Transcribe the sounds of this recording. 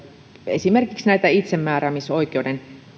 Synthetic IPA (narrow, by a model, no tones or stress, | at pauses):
ḛsimerkiksnæit̪æit̪semːæːræmisoikˑeouden